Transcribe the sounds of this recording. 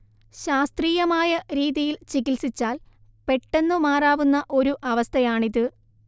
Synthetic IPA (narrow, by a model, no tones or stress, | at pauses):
ɕaːst̪riːjɐmaːjɐɾiːðijilt͡ɕiɣilsit͡ɕːaːl | pe̞ʈːe̞nːumaːraːʋunːɐʔo̞ɾuʔɐʋɐst̪ʰɐjaːɳiðɨ